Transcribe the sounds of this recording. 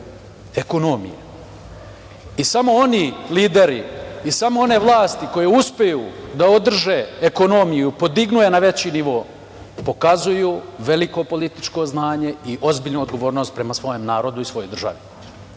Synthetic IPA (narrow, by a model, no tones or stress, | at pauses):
eko̞nomḭjḛ | isamo̞o̞niliːd̪e̞ɾiisamo̞o̞ne̞ʋlˠaːst̪iko̞jeuspejuːd̪aod̪r̩ʒe̞eko̞no̞mijupo̞d̪iɡnuje̞naʋe̞t͡ɕiniʋo̞ː | po̞kazujuːʋe̞liko̞po̞lit̪i̥t͡ʃko̞znaːɲe̞iʔo̞zbiːʎnuod̪ɡo̞ʋo̞ːɾno̞ːst̪̚pɾe̞masʋo̞jemnaːɾo̞d̪uisʋo̞jo̞jd̪rʒa̰ʋi